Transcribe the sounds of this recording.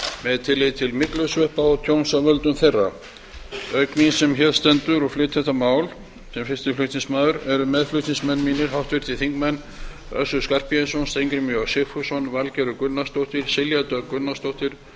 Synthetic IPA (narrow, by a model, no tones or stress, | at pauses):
mɛðt̪ʰɪlːejt̪ʰɪlmɪklʏsvœhpaɔt̪ʰjownsavœlt̪ʏmθejrːa̰ | œɥknisɛmçɛðst̪ɛnt̪ʏɾɔflɪːt̪θɛht̪amaːwl | sɛmfɪst̪ɪɾflʏt̪nĩŋsmaːðʏɾɛɾʏmɛðflʏɥt̪sniŋsmɛnːmiːnɪɾ̥hawht̪vɪɾ̥t̪ɪθiŋkmɛnː | œ̰sʏskar̥piɛnsownst̪ejŋkɾɪmiɔsɪfusɔnvalcɛɾʏkʏnːast̪owht̪ɪɾ̥sɪljat̪œkʏnːast̪owht̪ɪɾ̥